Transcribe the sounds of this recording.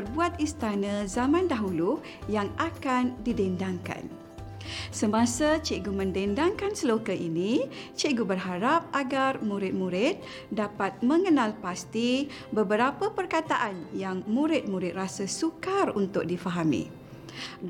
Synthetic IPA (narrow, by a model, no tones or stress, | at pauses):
ərbuat̪ist̪anə̃zamãndaɦulu | jaŋʔakandidɛndaŋka̰n | səmãsət͡ʃeʔɡumə̃ndɛndaŋkansəlokəʔinit͡ʃiɡubərɦaɾap̚aɡarmũɾɪt̪̚mũɾɪt̪̚ | dapat̪̚mə̃ŋənalpast̪i | bəbəɾapəpərkat̪aʔanjaŋmũɾɪt̪̚mũɾɪt̪̚rasəsukarunt̪ʊ̰k̚difaɦamḭ